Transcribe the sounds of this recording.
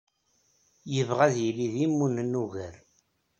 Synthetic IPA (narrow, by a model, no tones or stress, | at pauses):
jəvʁæðjiliðimːunnːuɣəɾ